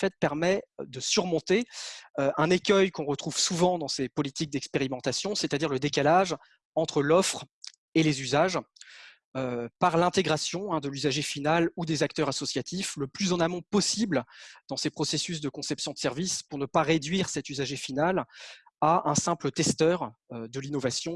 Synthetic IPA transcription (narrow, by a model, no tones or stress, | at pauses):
fɛt̪̚pɛʁmɛd̪əsyʁmɔ̃t̪eøɛ̃nekʲœjkɔ̃ʁət̪χuv̥suvɑ̃d̪ɑ̃sepɔlit̪ik̚d̪ɛkspeʁimɑ̃t̪asjɔ̃set̪ad̪iʁləd̪ekalaʒ | ɑ̃t̪χəlɔfχ | elezyzaʒ | øpaʁlɛ̃t̪eɡʁasjɔ̃ɛ̃d̪əlyzaʒefinalud̪ezakt̪œʁasɔsjat̪ifləplyzɑ̃namɔ̃pɔsibld̪̥ɑ̃sepχɔsesys̬d̪əkɔ̃sɛpsjɔ̃d̪ə̥sɛʁvispuʁnəpaʁed̪ɥiʁsɛt̪yzaʒefinal | aʔɛ̃sɛ̃plət̪ɛst̪œʁ | ød̪əlinɔvasjɔ̃